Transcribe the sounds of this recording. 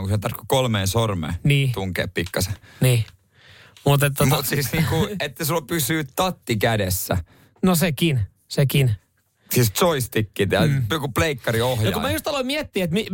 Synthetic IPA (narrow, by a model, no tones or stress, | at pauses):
ŋkuset̪ɑrkːo̥kolmeːnsormḛːniːt̪uŋkḛːppikːɑseniː | mut̪et̪ːomut̪siisniːŋkuet̪ːæsulpysyːtt̪ɑt̪ːikædesːæ̰ | nosekin | sekin | sist̪soist̪ikːit̪æokupleikːɑɾiohjoɑkumæjust̪ɑloimiɛt̪ːiːet̪mi